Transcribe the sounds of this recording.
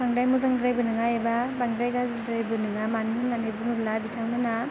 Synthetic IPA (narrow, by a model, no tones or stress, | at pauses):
bʰaŋdajmuzaŋdɾajbɯnɯŋajebabaŋdɾajɡazidɾajbɯnɯŋamanmɯnanejbɯŋɯblabitʰaŋmɯna